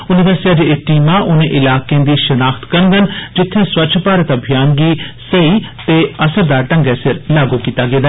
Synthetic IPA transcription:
ʊnɪʋəɾsɪiaːd͡ʒeeʈiːmãːʔʊnẽːʔɪlaːkeẽːd̪iːʃənaːkt̪kəɾnd̪ənd͡ʒɪt̪ʰːẽːswətːʃʰpaːɾət̪əbʱjaːnɡiːsəiːt̪eːəsəɾd̪aːʈə̃ŋɡɛːsɪɾlaːɡuːkiːt̪aːɡeːd̪aː

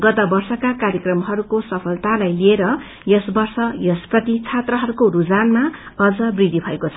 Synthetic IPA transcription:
ɡʌt̪ʌbʌrsʌkakaɾjʌkrʌmɦʌɾukosʌpʰʌlt̪alajlieɾʌ | jʌsbʌrsʌjʌsprʌt̪it͡sʰat̪rʌɦʌɾukoɾud͡zanma | ʌd͡zʌbrid̪ʱibʱʌekot͡sʰʌ

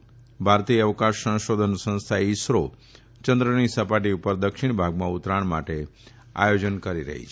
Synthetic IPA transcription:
bʱaɾt̪ijəəʋkãʃə̃w̃ʃod̪ʱənsə̃ñst̪ʰaisɾo | t͡ʃənd̪ɾəñisəpaʈiupəɾd̪əkʃɪɳ̃bʱaɡmãʊt̪ɾaɳma̰ʈe | a̰jod͡ʒənkəɾiɾə̰ɦḭt͡ʃʰ

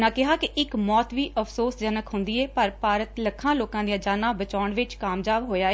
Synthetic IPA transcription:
nãːkɪɦaːkɪʔɪkmɔːt̪ʋiːəpʰsoːsd͡ʒənəkɦʊ̃nd̪iːeːpəɾpaːɾət̪ləkʰːãːloːkãːd̪ijãːd͡ʒaːnãːbət͡ʃaːʊɳʋɪt͡ʃkaːmd͡ʒaːbɦoːjaːe

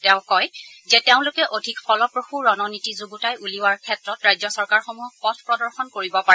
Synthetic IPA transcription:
tɛʊ̃kɔjzɛteʊ̃lʊkɛʔodʱikpʰɔlɔpɹoxuɹɔnɔnitizuɡutajʔuliwaɹkʰɛtɹɔtɹajzɔsɔɹkaɹxomuɦɔk̚pɔtʰpɹɔdɔɹxɔnkoɹibɔpaɛ

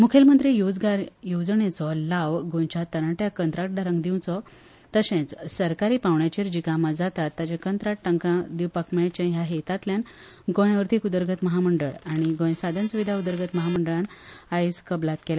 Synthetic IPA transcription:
mukʰelmənd̪ɾejod͡zɡaɾjod͡zɳet͡sɔlaʋɡõjt͡ɕat̪əɾə̃ʈjakənt̪ɾak̚ʈ̚ɖaɾə̃ŋɡd̪iw̃t͡sɔ | t̪əɕẽt͡ssəɾkaɾiːpãwɳjat͡ɕiɾd͡ʑikamad͡zat̪at̪ːat͡ɕãkənt̪ɾaʈʈəŋkãd̪iwpakmeɭt͡ɕãjaɦet̪at̪ljan | ɡõj̃ʋəɾt̪ʰikud̪əɾɡʱət̪məɦaməɳɖəɭaɽ̃iɡõjsad̪ʱansuʋid̪ʱaud̪əɾɡət̪məɦaməɳɖəɭanajskəblat̪kela

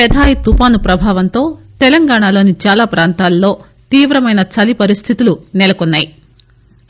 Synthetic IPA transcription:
ɛd̪ʱaːjit̪upaːnupɾɐbʱaːʋɐnt̪o̞ːt̪ɛlɐŋɡaːɳaːlo̞ːnit͡ʃaːlaːpɾʔaːnt̪aːlːo̞ː | t̪iːʋɾɐmɐjnɐt͡ʃɐlipɐɾist̪ʰit̪ulunɛlɐkɔnːaːji

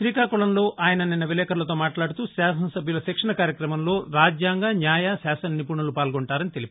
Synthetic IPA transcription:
ʃɾiːkaːkuɭɐnlo̞ːʔaːjɐnɐninːɐʋilɛːkʰɐɾlɐt̪o̞ːmaːʈlaːɽut̪uːsaːsɐnɐsɐbʱjulɐsɛkʂɐnɐkaːɾjɐkɾɐmɐmlo̞ːɾaːd͡ʒjaːŋɡanjaːjasaːsɐnnipuɳulupaːlɡoɳʈaːɾɐnit̪e̞lipɐ

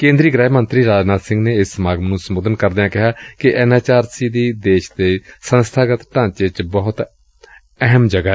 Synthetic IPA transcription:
kẽːnd̪ɾiːɡɾɛːmənt̪ɾiːɾaːd͡ʒnaːt̪sɪ̃ŋɡneːɪsmaːɡmənũːsəmoːd̪ənkəɾd̪eːãːkɪɦaːkɪʔɛnaːt͡ʃaːɾsiːd̪iːd̪eːʃd̪eːsənst̪ʰaːɡət̪ʈãːt͡ʃeːt͡ʃbɔɦʊt̪ | ɛɦəmd͡ʒəɡaː

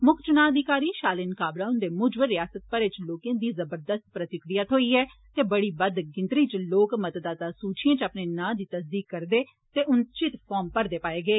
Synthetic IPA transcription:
mʊkʰt͡ʃʊnãːəd̪ɪkaːɾiːʃaːlɪnkaːbɾaːʊnd̪eːmʊd͡ʒbəɾːɪjaːsət̪̚pəɾɪt͡ʃloːkẽːd̪iːzəbəɾd̪əst̪̚pɾət̪ɪkɾijaːt̪ʰoːiːɦɛː | t̪eːbəɽiːbəd̪ɡɪ̃nt̪ɾiːt͡ʃloːkmət̪d̪aːt̪aːsuːt͡ʃʰɪjẽːt͡ʃəpneːnãːd̪iːt̪əsd̪iːkːəɾd̪eː | t̪eːʔʊnt͡ʃɪt̪pʰɔːɾmpəɾd̪eːpaːeːɡəeː

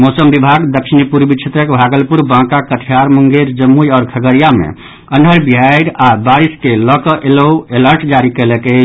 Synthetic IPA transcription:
mosəmbibʱaɡd̪əkʃinipuɾbit͡ʃʰet̪ɾəkbʱaɡəlpuɾbãkakəʈʰijaɾmuŋɡeɾd͡ʒəmːujɔːɾkʰəɡəɾijamḛ | ənʱəɾbiɦajɾabaɾiskelɔkəʔeləeləɾʈd͡ʒaɾikeleke

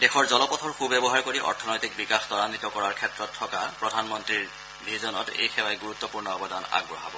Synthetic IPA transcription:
dexʰɔɹzɔlɔpɔtʰɔɹxubɛbɔɦaɹkoɹiʔɔ̰ɹtʰɔnɔjtik̚bikaxtɔɹanitɔkɔɹaɹkʰɛtɹɔtʰːɔkapɹɔdʱanmɔntɹiɹ | bʱizɔnɔ̰tḛjxɛwaɛɡuɹut̪ːɔpuɹnɔɔbɔdana̰ɡɹɔ̰ɦabɔ

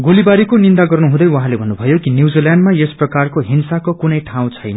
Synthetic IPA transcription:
ɡolibaɾikonind̪aɡʌrnuɦũd̪ʌjwaɦãlebʱʌnːubʱʌjokinjiwd͡ziljanɖmajesprʌkarkoɦinsakokunʌjʈʰaw̃t͡sʰʌjnʌ

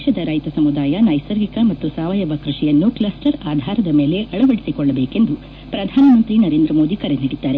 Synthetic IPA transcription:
ʃɐd̪ɐɾɐjt̪ɐsɐmud̪aːjɐnɐjsɐɾɡikɐmɐt̪ːusaːʋɐjɐʋɐkɾuʂijɐnːuklasʈɐɾaːd̪ʱaːɾɐd̪ɐme̞ːle̞ʔʔɐɭɐʋɐɽesikɔɭːɐbeːke̞nd̪u | pɾɐd̪ʱaːnɐmɐnt̪ɾinɐɾeːnd̪ɾɐmo̞ːd̪ikɐɾeniɽid̪ːaːɾe̞

